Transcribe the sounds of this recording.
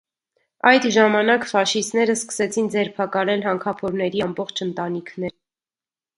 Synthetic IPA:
ɑjd̪ʒɑmɑnɑkfɑʃist̪nɛɾəskə̥sɛt͡sʰind͡zɛɾpʰɑkɑlɛlɦɑŋkʰɑpʰɔɾnɛɾiɑmbɔχt͡ʃʰənt̪ɑnikʰnɛɾ

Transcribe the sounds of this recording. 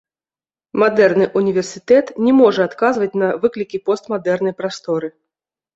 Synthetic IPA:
mad̪ɛrnɨʔunʲivʲɛrsʲit̪ɛt̪nʲɛmɔʐɛat̪kazvɐt͡sʲnɐvɨklʲikʲipɔst̪mad̪ɛrnɐjpɾast̪ɔɾɨ

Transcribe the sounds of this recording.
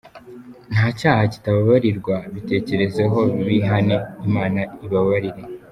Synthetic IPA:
n̥haːcaːhaci̥taβaβaɾiɾɡwaβite̞ːce̞ɾe̞ze̞ɦo̞iβiɦaneimaːnaiβaβaɾiɾe̞

